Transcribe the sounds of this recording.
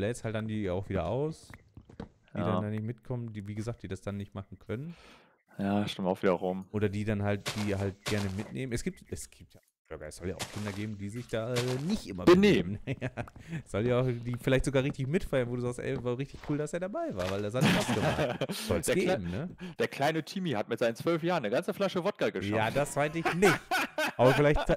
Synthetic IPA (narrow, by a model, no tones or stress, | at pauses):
lɛsthaltd̥andiːaʊxviːdɐʔaʊs | djiːdandaːnɪçtmɪtkʰɔməndiːviːɡəzaːk̚d̥iːdasd̥anːɪçtmaχn̩kʰœnən | jaːʃtɪmtaʊv̥iːdɐʁʊmʔoːɾɐdiːdanɦaltd̥iːɦaltɡ̥ɛɐnəmɪtneːmənʔɛsɡ̥iːptɛsɡ̥iːp̚tjḁ | oɡaɪsz̥ɔlja̰ːʔaʊxkʰɪndɐɡeːbm̩diːzɪçd̥aːɛːnɪçtʔɪmɐbəneːənasz̥ɔljaːʊxd̥iːfɪlaɪçtzoɡaːʁɪçtɪçmɪtfaɪɐnvoːduːzaːkstʔɛ̰ɪvaʁɪçtɪçkʰuːldaseːɐdabaɪvaːɐvaɪldashatɪʔaʊsɡ̥əma̰zz̥ɔ̰lsːɡeːbm̩nəd̥eːɐkʰl̥aɪnətʰimihatmɪtz̥aɪnt͡sv̥œlfjaːʁənːəɡant͡səflaʃəvɔt̚ɡ̥aɡəʃj̰aːdasv̥aɪtɪçnɪçtʔaːbɐfɪlaɪçt